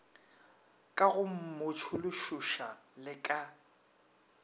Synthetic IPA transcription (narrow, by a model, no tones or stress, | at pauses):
kʼaɣʊm̩mʊt͡ʃʰʊlʊʃʊʃa | lɪkʼa